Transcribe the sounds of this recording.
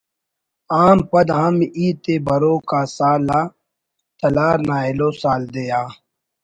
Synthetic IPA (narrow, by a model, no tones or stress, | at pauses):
aːmpɐd̪ɦɐmiːt̪eːbɐɾoːkaːsaːlaː | t̪ɐlaːɾnaːeloːsaːld̪ejaː